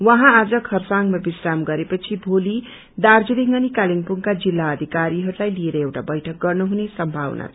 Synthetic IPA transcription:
wʌɦãad͡zʌkʰʌrsaŋɡmabisramɡʌɾepʌt͡sʰibʱoli | d̪ard͡zuliŋʌnikaliŋpuŋkad͡zilːaʌd̪ʱikaɾiɦʌɾulajlieɾʌewʈabʌjʈʰʌk̚ɡʌrnuɦunesʌmbʱawnʔa̰

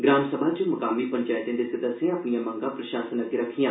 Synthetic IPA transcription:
ɡɾaːnsəbʱaːt͡ʃəmʊkaːmipəɲt͡ʃaːjt̪ẽːd̪esəd̪əsːẽəpɳijãːmə̃ŋɡãːpɾəʃaːsənət̪eɾəkʰijãː

